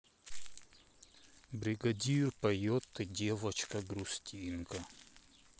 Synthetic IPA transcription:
bɾʲɪɡɐdʲirpɐjot̪ːɨdʲevɐt͡ɕkɐɡɾʊstʲʰinkɐ

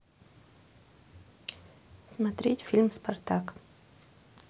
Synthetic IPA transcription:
smɐt̪ɾʲetʲfʲilʲmspɐrt̪ak

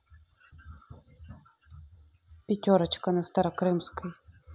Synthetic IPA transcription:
pʲitʲɔɾɐt͡ʃkɐnɐst̪ɐɾɐkɾɪmsʲkɐj

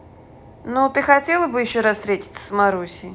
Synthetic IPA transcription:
not̪ɨxɐtʲelˠəbɨjɪɕːoɾasst̪ɾʲetʲɪ̥t̪sə̥smɐɾusʲɪ

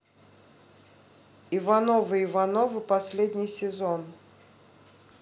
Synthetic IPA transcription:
ɪvɐnovɨɪvɐnovɨpɐsʲlʲed̪ʲnʲɪjsʲɪzon

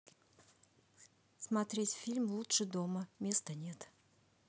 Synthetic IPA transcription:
smat̪ɾʲetʲfʲilʲmlˠutʂɨd̪o̞məmʲe̞st̪ənʲe̞t̪

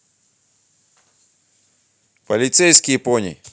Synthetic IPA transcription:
pɐlʲɪt̪sɛjskʲɪjponʲḭ

